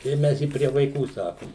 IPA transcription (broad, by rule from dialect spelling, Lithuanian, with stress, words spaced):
ɪr ˈmʲɛs ɪ pʲrʲiɛ ʋɐɪˈkuː ˈsɑːkʊm